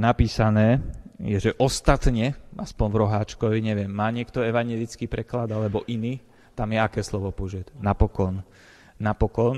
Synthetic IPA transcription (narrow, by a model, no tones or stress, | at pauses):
napiːsanɛːjɛʒɛʔɔst̪at̪ɲɛa̰spɔnvɾɔɦaːt͡ʃkɔʋiɲɛʋɪɛmːaːɲɪɛkt̪ɔɛʋaɲɛlit͡skiːpɾɛklad̪alɛbɔʔiniː | t̪amjɛakɛːslɔʋɔpɔʒɛt̪napɔkɔnː | apɔkɔn